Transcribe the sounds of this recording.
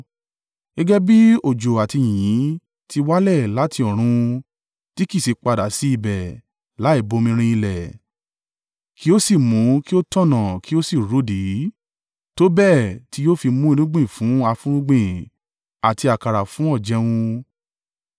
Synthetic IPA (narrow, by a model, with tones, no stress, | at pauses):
ɛ˦ɡɛ˦bi˦o˦˨d͡ʒo˨a˨ti˧j̃ĩ˨jĩ˨˦ | tʰi˧wa˦lɛ˦˨la˨˦ti˧ɔ˨ɾ̃ũ˧ | ti˦ki˦˨se˨˧k͡pa˧da˨si˨˦i˦˨bɛ˨ | la˨˦i˦˨bo˨˧mĩ˧ɾ̃ĩ˧ĩ˧lɛ˨ | kʰi˦o˦si˦˨mũ˨˦ki˦o˦tɔ̃˦˨nã˨ki˦o˦si˦˨ɾo˨˦di˨˦ | to˦bɛ˦˨ti˧˦joː˦fi˧mũ˦i˧nũ˦ɡ͡bĩ˦˨fũ˨˦a˧fũ˦ɾũ˦ɡ͡bĩ˦˨ | a˨ti˧a˨ka˨ɾa˨fũ˨˦ɔ˦˨d͡ʒɛ˧˦w̃ũ˧